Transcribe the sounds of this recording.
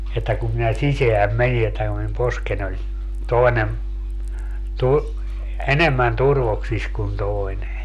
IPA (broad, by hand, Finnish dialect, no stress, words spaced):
etːæ kum minæ siseæm meni etːæ ku min posken olʲ toenem tur enemːæn turʋoksis kun toi̯ne